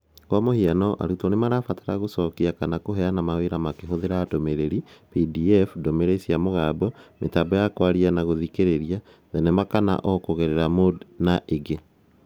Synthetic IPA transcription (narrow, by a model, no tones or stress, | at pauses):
kwamohianɔʔa̰ɾutɔnemaɾafataɾaɣosɔkiakanakoɦɛanamaweɾamakeɦoðeɾaːtomeɾeɾipidiɛfdomeɾesiamoɣaːbɔmʔetabɔjakwaɾianaɣoðikeɾeɾia | ðɛnɛmakana̰ʔɔkoɣeɾeɾamodnaʔeɡe